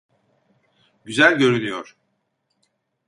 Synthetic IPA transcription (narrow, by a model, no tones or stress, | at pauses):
ɟyzælʲɟø̞ɾynyjoɾ̥